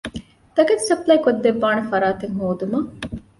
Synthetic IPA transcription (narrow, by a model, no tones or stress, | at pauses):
t̪ɐɡɐt̪sɐplɐjkod̪ːeʋːaːnefɐɾaːt̪eŋɦoːd̪umɐ